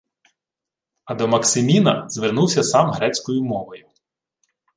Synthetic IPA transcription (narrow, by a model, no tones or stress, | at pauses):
ɐd̪ɔmɐksɪmʲinɐzʋernuwsʲɐsɑmɦɾɛt͡sʲkɔjʊmɔʋɔjʊ